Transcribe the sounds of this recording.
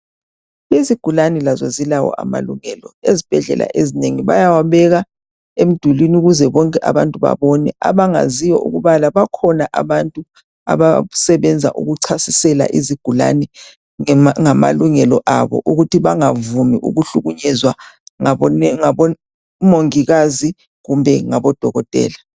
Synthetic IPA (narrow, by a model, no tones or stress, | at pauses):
iziɡ̥ʱulanɛlazɔzilawɔ̰a̰ma̰luŋɛːlɔezib̥ʱɛɮɛ̰lʔa̰ʔezineŋiβajawaβɛɣa | em̩d̥ʱulinuɣuzɛβɔŋkʼɛʔa̰βantʼuβa̰βɔnɛaβaŋa̰zijɔʔṵɣuβalaβakʰɔnaʔaβantʼu | a̰βasɛβɛnd͡zʱaʔṵɣuǀʰasisɛla̰ʔiziɡ̥ʱula̰nɛ | ŋama̰luŋɛlɔʔaβɔ̰ʔuɣutʰiβaŋavumiʔṵɣuɬuɣuɲɛzwaaɔaɔ | moŋiɣazi | ɣumbʱɛŋaβɔd̥ʱɔɣɔd̥ʼʱɛ̰ːla